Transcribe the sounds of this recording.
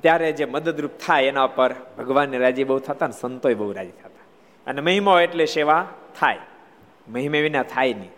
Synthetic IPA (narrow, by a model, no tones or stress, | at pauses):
t̪jaɾed͡ʒeməd̪əd̪ɾup̚t̪ʰajenaupəɾbʱəɡʋanːiɾad͡ʒibəɦut̪ʰat̪aənesənt̪ojbəɦuɾad͡ʒit̪ʰat̪ḁ | əneməɦimaoeʈleʃeʋat̪ʰaj | məɦimeʋinat̪ʰajni